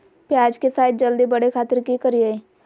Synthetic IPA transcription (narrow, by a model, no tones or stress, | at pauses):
pjaːd͡ʒkesaːjt̪̚d͡ʒəld̪ibɐɽekʰaːt̪əɾkikəɾiae